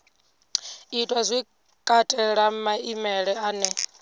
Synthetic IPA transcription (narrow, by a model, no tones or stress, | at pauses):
itʼwazʷi | kʼatʼɛɺamaimɛɺɛaːnɛ